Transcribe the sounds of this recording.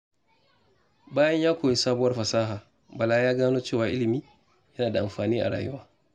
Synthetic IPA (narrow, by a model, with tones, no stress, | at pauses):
baː˦jɐ˦ɲjaː˦kʷoː˨ji˦saː˦bʊ˦wɐ˦rɸɐ˨saː˦ɦaː˨ | ba˨laː˦jaː˦ɡaː˦noː˦t͡ʃeː˦˨waː˨ʔɪ˦lɪ˨miː˦ | jɐ˦naː˨da˨ʔa̰˨mɸaː˨niː˦ʔa̰˨ɽa̰ː˨jʊ̰˦waː˦